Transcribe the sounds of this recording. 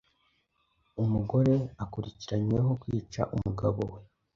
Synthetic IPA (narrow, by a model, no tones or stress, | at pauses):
umuɡo̞ɾe̞akuɾiciɾaɲweɦo̞kwiːt͡ʃa̰ʔumuɡaβo̞̰we̞